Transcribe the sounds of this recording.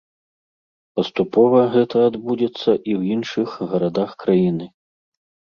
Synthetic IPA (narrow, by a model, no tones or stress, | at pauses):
pɐst̪upɔvɐɣɛt̪ɐːd̪bud͡zʲɛt̪sːɐʔiwjinʂɨxɣɐɾad̪axkɾajinɨ